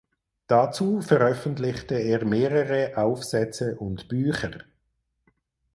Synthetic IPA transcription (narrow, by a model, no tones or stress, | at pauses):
d̥at͡suːfəʁœfəntlɪçtəeːɐʁmeːʁəʁəʔaʊfsɛt͡səʔʊntb̥yːçəʁ